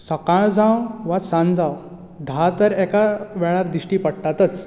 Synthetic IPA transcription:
səkaɭd͡zãwʋasãnd͡zãw | d̪ʱat̪əɾɛkaʋɛɭaɾd̪ɾiɕʈiːpəɽʈ̪at̪ət͡s

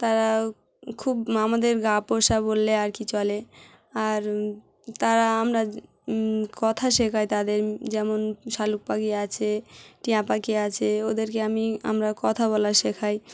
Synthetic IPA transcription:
t̪aɾa | kʰubamad̪eɾɡapoʃabolːeaɾkit͡ɕɔle | aɾ | t̪aɾaamɾa | kɔt̪ʰaʃekʰajt̪ad̪eɾd͡ʑɛmonʃaluk̚pakiat͡ɕʰeʈiãpakiat͡ɕʰeod̪eɾkeamia̰mɾakɔt̪ʰaβɔlaʃekʰaj

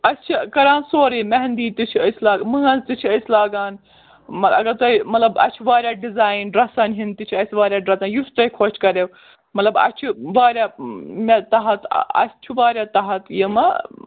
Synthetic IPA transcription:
ɐst͡ʃʰikɐɾãːnsoːɾiːmɐɦɐnd̪iːt̪it͡ʃʰiəjslaːɡmɨːɐnzt̪it͡ʃʰɐjslaːɡaːn | mɐɐ̰ɡɐɾt̪ɐimɐt̪lɐbɐ̰t͡ʃʰuʋaːɾʲjaːɖizaːjinɖɾɐsɐnɦint̪it͡ʃʰiɐjsʋaːɾʲjaːɖɾɐt̪ɐnjusʈɐjkʰot͡ʃʰkɐɾew | mɐt̪lɐbɐ̰t͡ʃʰuʋaːɾʲjaːmet̪ɐɦɐt̪ɐ̰t͡ʃʰuʋaːɾʲjaːt̪ɐɦɐt̪jɐmɐ

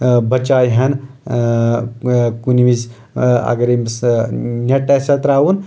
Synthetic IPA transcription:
bɐt͡ʃaːjɦɐn | kuniʋiz | ɐ̰ɡɐɾimsnʲɐʈɐsɐt̪ɾaːwun

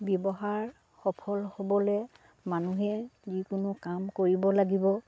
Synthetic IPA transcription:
bjɔbɔɦaɹ | xɔpʰɔlhobɔlɛ | manuɦɛzikʊnʊkamkoɹibɔlaɡibɔ

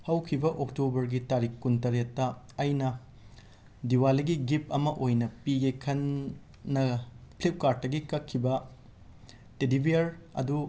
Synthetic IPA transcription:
hɐwkʰibɐʔok̚tobɐɾɡitaɾikːuntɐɾetːɐ | ɐjnɐ | diwalɐɡiɡip̚ɐmɐʔojnɐpiɡekʰɐnː | ɐpʰlip̚kaɾt̚ːɐɡikɐkʰːibɐ | tedibʱiɐɾɐ̰du

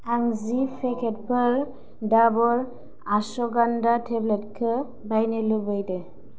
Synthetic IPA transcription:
aŋzipʰɛkʰɛt̚pʰəɹ | dabɔɹ | asɔɡandatʰɛblet̚kʰɯ | bajnelɯbɯjdɛ

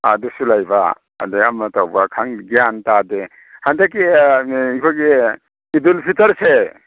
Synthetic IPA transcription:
a̰dusulajba̰ | a̰deamɐtawbakʰaŋɡijantade | handak̬iikʰojɡe | idulpʰitɐɾse

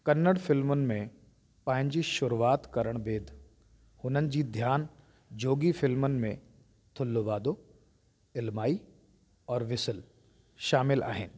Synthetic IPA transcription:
kɐnːəɽfɪlmənɪ̆mẽ | pɐ̃ɦɪ̃ɲd͡ʑiʃʊɾuʋaːt̪kɐɾəɽ̃beːd̪ʱ | hʊnənɪ̆d͡ʑiːd̪ʱjaːn | d͡ʑoːɡifɪlmənɪ̆mẽ | t̪ʰʊlːoʋaːd̪o | ɪlmaːi | ɔːɾʋɪsəl | ʃaːmɪla̰ːɦɪnɪ̆

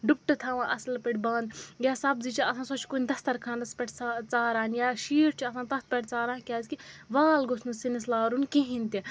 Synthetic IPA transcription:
ɖup̚ʈɨt̪ʰaːʋãːʔɐslpɐʈʲbãːnd̪jaːsɐbzit͡ʃʰiɐsʰãːsot͡ʃʰkunʲd̪ɐst̪ɐɾkʰãːnɐspɛʈʰt͡sːt͡saːɾaːnjaːʃiːɾt͡ʃʰiɐsãːt̪ɐt̪̚ʰpʲɛʈʰt͡saːɾãːkʲaːzkiʋaːlɡosnusinislaːɾunkeɦĩnt̪i

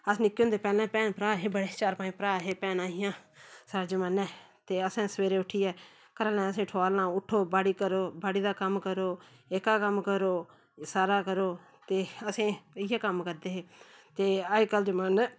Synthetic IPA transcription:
əsnɪkːõnd̪eːpɛːlɛ̃ːpɛːnpɾaːɦeːbəɽeːt͡ʃaːɾpãːĩːpɾaːɦeːpɛːnaːɦɪjãːsaːɾad͡ʒəmaːnɛ̃ː | t̪eːəsãːsəʋeːɾeːʊʈʰiːɛː | kəɾalɛ̃ːəs̬ẽːʈʰoaːlnãːʊʈʰːoːbaːɽiːkəɾoːbaːɽiːd̪aːkəmkəɾoːeːkaːkəmkəɾoː | saːɾaːkəɾoː | t̪eːəsẽːɪjaːkəmkəɾd̪eːɦeːt̪eːaːiːkəld͡ʒəmaːn

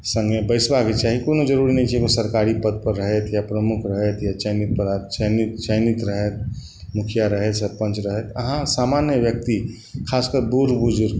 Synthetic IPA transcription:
sə̃ŋɡəbəɪsbaket͡ʃaɦikonõd͡ʒəɾuɾinɐɦĩt͡ʃʰɛkosəɾkaɾipəd̪̚pəɾːəɦet̪japɾəmʊkʰɾəɦet̪jat͡ʃəjnit̪̚pəɾat͡ʃənit̪t͡ʃəjnit̪ɾəɦet̪̚ | mʊkʰijaɾəɦet̪səɾpə̃nt͡ʃɾəɦet̪əɦãsaːmanjəʋjək̚t̪i | kʰaːskəɾbuɾbud͡ʒuɾ

